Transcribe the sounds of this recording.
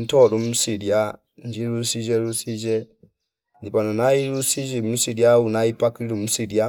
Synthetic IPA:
n̩tɔɾumsiɾia | nd͡ʒiɾusid͡ʒeɾusid͡ʒe | ndipanunaiɾusid͡ʒisiɾiaunaipakɾiɾumsiɾia

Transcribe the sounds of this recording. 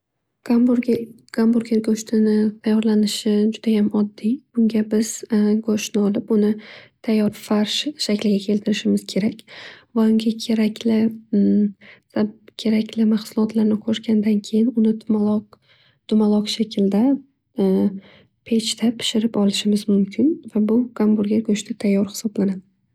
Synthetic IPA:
ɡ̥ambuɾɡʲeɾɡoʃt̪ʰɪnɪt̪ʰajːɒɾlanɪʃɪd͡ʒʊd̪̥ajamɒd̪ːɪb̥ʊŋɡʲabɪz̥ɡoʃnɪɒlɪpʊnɪt̪ʰajːɒɾfaɾʃʃakʲlɪɡʲakʲʰe̞lt̪ʰɪɾɪʃɪmɪz̥kʲʰe̞ɾakʲvaʊŋɡʲakʲʰeɾakʲlɪ | sakʲʰe̞ɾakʲlɪmaχsʊlˠɒt̪ʰlaɾnɪqʰoʃɡʲand̪ankʲʰe̞jɪnʊnɪl | d̪̥ʊmalˠɒqʃakʲʰɪld̪a | pʰe̞t͡ʃt̪ʰapʰɪ̥ʃɪɾɪpɒlˠɪʃɪmɪzmʊmkʲʰɪnvabʊɡ̥ambuɾɡʲaɡoʃt̪ʰat̪ʰajːɒɾhɪ̥sɒblanad̪ɪ

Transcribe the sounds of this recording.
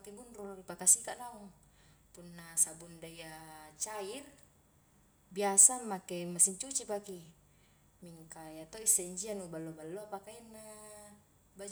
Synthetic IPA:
kebunrulaɾipakasikaʔlaɔŋ | punːasabundaiat͡ʃair | biasamakemasiɲt͡ʃut͡ʃipaki | miŋkajat̪oisːeiɲd͡ʒianubalːobalːopakainːa | ba

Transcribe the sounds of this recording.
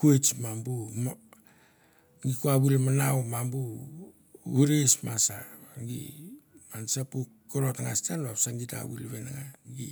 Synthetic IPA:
kuet͡ʃmambum | ŋɡikuaβulmanawmambu | uɾesmasaaɡḭmansapu | koɾotaŋastanoaβsaŋɡita̰βulβenaŋaɡi

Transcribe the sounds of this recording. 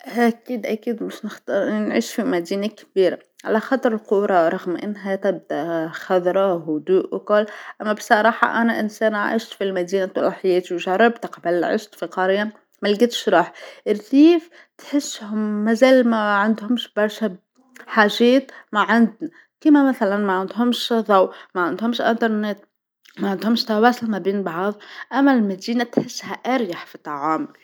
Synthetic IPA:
ʔakiːd̪ʔakiːd̪mɪʃnɪxt̪ɑɾˤʔɪnːinʕḭːʃfimad̪iːnakbiːɾa | ʕa̰laxɑt̪ˤɾˤɪlquːɾˤɑɾˤɑɣmʔɪ̰nːɦat̪ɪb̚d̪aʔxɑðˤɾˤɑhʊd̪uːʔwkʊlːʔamːabsˤɑɾˤɑːħɑ̰ʔanaʔɪnseːnʔa̰ʕɪ̰ʃt̪filmad̪iːnat̪ˤɑlɑħɪjeːt̪iwʒɑrˤːɑbt̪qbɪlʕɪ̰ʃt̪fiqɑɾɪja | malɡɪt̪ʃɾˤɑːħʔɪɾθiːf | t̪ħɪsːhʊmːazeːlmaʕand̪hʊmʃbɑɾˤʃa | ħaːʒeːt̪maʕɪnd̪na | kimamaθalanmaʕɪnd̪ɦʊmʃðˤɑwmaʕɪnd̪hʊmʃʔɪ̰nt̪ɑɾˤnet̪̚ | maʕɪnd̪hʊmʃt̪ɑwaːsɪlmabiːnbɑʕðˤʔamːalmad̪iːnat̪ħɪsːhaʔɑɾjaħfit̪ˤɑʕaːm

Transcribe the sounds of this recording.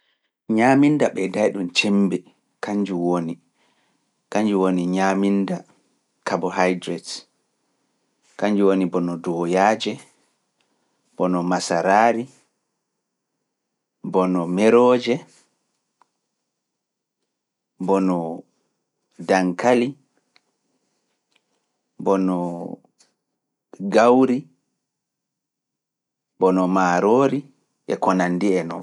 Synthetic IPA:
ɲamindaɓɛdajɗunt͡ʃɛmbɛ | kaɲd͡ʒuwoni | kaɲd͡ʒuwoniɲaminda | kabɔhajdɾɛt | kaɲd͡ʒuwonibɔnɔdɔjaːd͡ʒɛ | b̥ɔnɔmasaɾaːɾi | bɔnɔmɛɾɔːd͡ʒɛ | bɔnɔ | daŋkali | bɔnɔ | ɡawɾi | bɔnɔmaːɾoːɾi | ʔɛ̰kɔnandiɛnɔ̰

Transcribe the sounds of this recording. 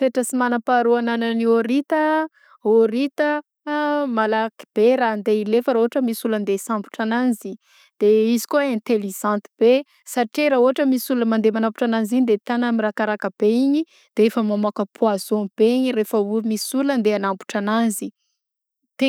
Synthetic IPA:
feʈ͡ʂəsimanapaɾuananənioɾit̪ə | oɾit̪ə | malaki̥b̥eɾand̪eilefəɾaɦoaʈ͡ʂəmisulənd̪esambu̥ʈ͡ʂananzi | d̪̥eizi̥kuẽnt̪eliz̥ãnt̪i̥b̥e | saʈ͡ʂiɾauɦaʈ͡ʂəmisuləmand̪emanampu̥ʈ͡ʂananziɲid̪et̪anəmiɾakaɾakəb̥eiɲi | d̪̥eefəmamakəpʰuazob̥eiɲirefəumisulənd̪eanampu̥ʈ͡ʂananzi | t̪e

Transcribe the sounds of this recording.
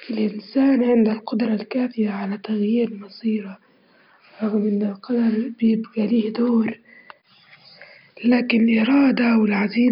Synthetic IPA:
ɪlʔɪnsaːnʕɪnd̪alqʊd̪ɾˤɑlkaːfɪjaʕalat̪aɣjiːɾlmɑsˤiːɾa | ɾˤɑɣmʔɪnːɪlqɑd̪ɑɾˤbɪjɪbɡaliːhd̪oːɾ | laːkɪnlʔɪɾˤɑːd̪awɪlʕaziː

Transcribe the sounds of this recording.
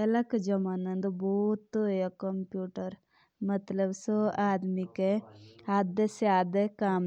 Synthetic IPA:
ɐlɐkɐd͡ʒɐmaːnɐnd̪ubut̪ːujɐkɐmpjuːʈɐɾ | mɐt̪lɐbsoaːd̪mikeaːd̪ɐsaːd̪ekaːm

